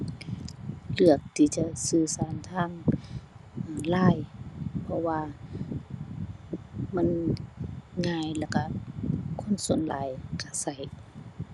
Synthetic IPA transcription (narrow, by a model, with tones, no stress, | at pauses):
lɯ˧˩ək̚t̪ʰiː˧˩t͡ɕa˧sɯː˧˩saː˨˧˦nt̪ʰaː˧˥˩ŋ | ʔlaː˧˩˨jpʰɔ˧waː˧ | ma˧˥˨n | ŋaː˧˩jlɛː˧˩ka˧kʰo˧˥˨nsu˨˦ənla̰ː˨˦jkʰa˧˩sa˧˩j